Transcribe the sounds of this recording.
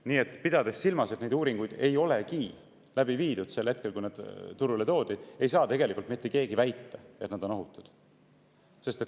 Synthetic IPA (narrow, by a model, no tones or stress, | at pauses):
niːe̞t̪ːˑpid̪ɑd̪e̞ssilmɑset̪ne̞jd̪uːɾiŋɡ̥ujd̪̥e̞jo̞le̞ki | læbiviːd̪ud̪̥se̞lhe̞t̪̚ke̞lkujnɑd̪̥t̪uɾulet̪o̞ːd̪̥id̥̪e̞jsɑːt̪e̞ɡe̞likːˑult̪mit̪ːˑe̞ke̞ːɡivæjt̪ːɑe̞t̪nɑd̪̥o̞no̞ɦut̪ːˑu̥d̪̥ | se̞st̪et̪ː